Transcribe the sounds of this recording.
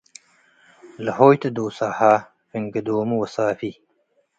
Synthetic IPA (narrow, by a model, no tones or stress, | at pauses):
lɐɦoːjt̪ɐd̪oːsaːha | fiŋɡɐd̪oːmuwɐsaːfi